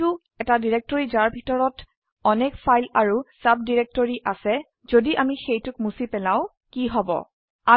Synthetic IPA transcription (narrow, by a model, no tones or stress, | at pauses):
ʊ | ɛtadiɹek̚tɔɹizaɹbʱitɔɹɔt | ɔnɛkpʰajlaɹusab̚diɹek̚toɹiʔasɛ | z̥odiʔamixejtʊk̚musipɛlaʊ̃ | kiɦɔbɔ̰ | a